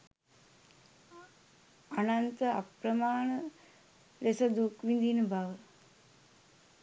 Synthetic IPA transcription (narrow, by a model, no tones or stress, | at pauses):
anant̪əa̰pɾəmaːɳə | lesəd̪ukʋind̪inəbaʋə